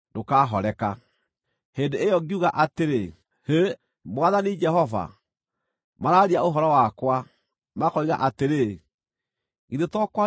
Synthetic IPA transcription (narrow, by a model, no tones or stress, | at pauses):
dokaɦɔɾɛka | hendeːjɔɡiuɣaʔateɾe | he | mwaðanid͡ʒɛɦɔva̰ | maɾaɾiaoɦɔɾɔwakwa | makɔiɣaʔateɾe | iðetɔkwa